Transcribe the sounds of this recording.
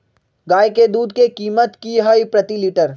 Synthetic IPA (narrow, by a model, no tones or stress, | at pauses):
ɡaːjked̪uːd̪kekiːmət̪kiɦɐipɾət̪iliːʈəɾ